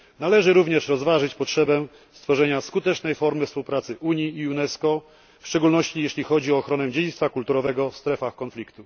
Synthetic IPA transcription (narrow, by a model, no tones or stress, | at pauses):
nalɛʐɘɾuvɲɛʂɾɔzvaʐɘt͡ɕpɔtʂɛbɛ | st̪fɔʐɛɲaskut̪ɛt͡ʂnɛjfɔɾmɘfspuwpɾat̪sɘʔuɲjiːunɛskɔ | fʂt͡ʂɛɡulnɔɕt͡ɕijeɕlʲixɔd͡ʑiɔːxɾɔnɛd͡ʑed͡ʑit̪st̪fakult̪uɾɔvɛɡɔfst̪ɾɛfaxkɔnflʲikt̪u